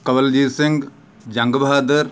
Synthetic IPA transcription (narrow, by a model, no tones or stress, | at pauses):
kɐʋɐld͡ʒiːsɪ̃ŋɡ | d͡ʒɐ̃ŋɡbʱaːd̪ɐɾ